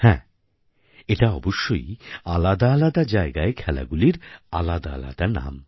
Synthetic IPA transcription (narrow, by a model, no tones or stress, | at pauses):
hɛ̰̃ | eʈaɔboʃːojalad̪aːlad̪ad͡ʑaeɡaekʰɛla̰ɡuliɾa̰lad̪aala̰d̪aɾna̰m